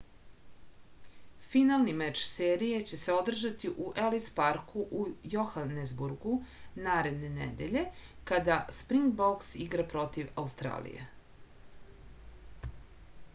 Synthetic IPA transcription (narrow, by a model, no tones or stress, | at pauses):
finalˠnimɛt͡ʃseːɾije̞t͡ɕe̞se̞o̞d̪r̩ʒat̪iʔuʔelispaɾkuʔujoxanezbuɾɡunaːɾe̞d̪ne̞nḛd̪e̞̰ʎe̞kad̪aspɾiŋɡboksiɡɾapɾo̞t̪iʋaust̪ɾa̰ːlḭjḛ